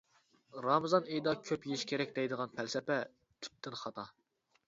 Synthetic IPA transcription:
ɾɑmɨzɑnejd̪ɑkʲʰøpjeʃkʲʰeɾɛkʲd̪ɛjd̪əʁɑnpʰælsɛpɛ | t̪ʰy̥p̚t̪ʰːɪnχɑt̪ʰɑ

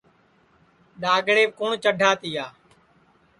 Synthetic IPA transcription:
ɗaːɡɽeːʋkoːɳt͡ʃəɖʱaːt̪iːaː

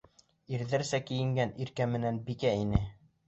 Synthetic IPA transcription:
iɾðɘɾsækɘ̆jɘ̆ŋɡæniɾkæmɘ̆nænbikæinɘ

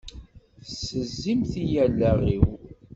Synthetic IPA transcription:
səzːimθijælːæʁiw

